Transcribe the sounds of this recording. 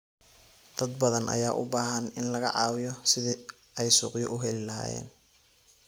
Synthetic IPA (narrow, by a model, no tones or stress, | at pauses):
d̪̥ɐd̪̚bɐðɐnʔɐ̰jaːʔʊ̰baːɦɐnɪnlɐɣɐ̰ʕɑːwɪjɔsɪðɪ | ɛjsʊːqjɔʔʊɦɛlɪlɐɦa̰ːjɛ̰ːn